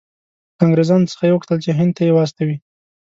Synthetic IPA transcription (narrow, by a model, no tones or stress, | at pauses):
kɑŋɡɾezɑnot͡sə̥xajewəkt̪əlt͡ʃeɦɪnd̪̚t̪ajewast̪awi